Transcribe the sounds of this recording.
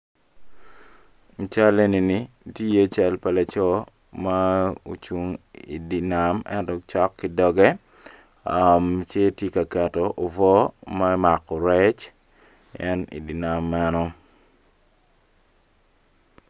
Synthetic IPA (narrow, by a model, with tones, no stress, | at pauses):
t͡ʃa˦le˦ni˨ni˨ | ti˦je˦t͡ʃɛ˦lpa˨la˨t͡ʃɔ˦ | ma˦o̰˨t͡ʃu˦ŋḭ˨di˨na˨mɛ̰˦ntɔt͡ʃɔ˦kːi˦dɔ˦ɡɛ˦ | amt͡ʃe˦tje˦ka˨kɛ˨tɔʔo˨vɔ˦ma˦ma˨kɔ˨ɾɛ˦t͡ʃ | ɛ˦nḭ˨di˨na˨mːa˦nɔ